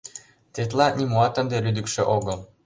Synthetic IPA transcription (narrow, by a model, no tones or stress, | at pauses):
t̪et̪lɑnimuɑt̪ə̆nd̪elyd̪ɘkʃĕʔoɣɤl